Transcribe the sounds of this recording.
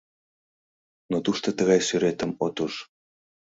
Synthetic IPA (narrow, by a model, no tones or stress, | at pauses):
not̪uʃt̪ot̪əɣɑjsyɾet̪əmot̪uʃ